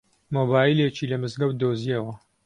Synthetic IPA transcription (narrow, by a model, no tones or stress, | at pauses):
moːbaːilet͡ʃiːlɐmɨzɡɐwd̪oziɐwɐ